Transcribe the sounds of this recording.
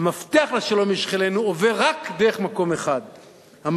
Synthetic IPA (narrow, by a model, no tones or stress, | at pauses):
maft̪eaχleʃalo̞miʃχelenuoveʁakd̪eʁeχmako̞meχad̪ | ham